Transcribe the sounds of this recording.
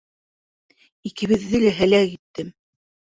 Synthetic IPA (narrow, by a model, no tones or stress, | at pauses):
ikɘ̆βɘ̆ðːɘlæɦælækit̪ːɘm